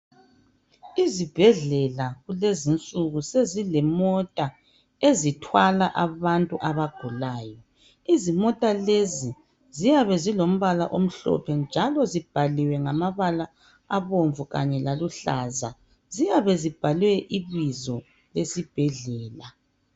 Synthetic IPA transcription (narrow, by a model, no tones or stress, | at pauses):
izib̥ʱɛɮɛlaɣulezint͡sʼuɣusezilɛmɔtʼa | ezitʰwalaʔaβantʼuʔaβaɡ̥ʱulaːjɔ | izimɔtʼalezi | zijaβɛzilom̩βala̰ʔom̩ɬɔ̰pʰɛnd͡ʒʱalɔzib̥ʱaliwɛŋamaβala | aβoɱvuɣa̰ɲɛlaluɬaːza̰ | zijaβɛzib̥ʱalwɛʔiβizɔ | lesib̥ʱɛɮɛːla